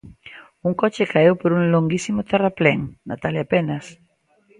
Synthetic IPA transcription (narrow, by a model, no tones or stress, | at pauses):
uŋkɔt͡ʃɪkaewpoɾuŋloŋɡisimʊt̪ɛraplɛŋna̰t̪aljapenɐs